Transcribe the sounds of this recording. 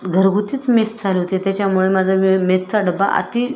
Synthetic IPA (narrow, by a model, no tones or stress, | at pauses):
ɡʱəɾɡʱut̪iːt͡smest͡sʰaleɦot̪et̪jat͡ɕamuɭemad͡zʱamest͡saɖəba̰ʔa̰t̪i